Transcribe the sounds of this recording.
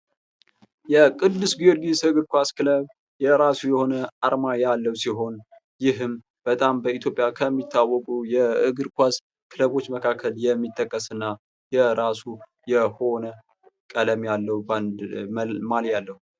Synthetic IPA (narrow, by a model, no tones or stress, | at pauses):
jɛkʼɨd̪ːɨsɡiolɡisɨɨɡɨɾkʷaskʰɨləβ | jɛɾasujɛho̞nəaɾmajalːəwsiɦo̞n | jɪɦɨm | b̥ət̪ʼambəit̪ʰjo̞pʼjakʰəmːit̪ʰːawːɔkʼujɛɨɡɨɾkʷas | kʰɨləβo̞t͡ʃːməkʰakʰːəljɛmːit̪ʼːəkʼːəsɨnːa | jɛɾasu | jɛho̞nə | kʼələmjalːəwub | maljalːəhu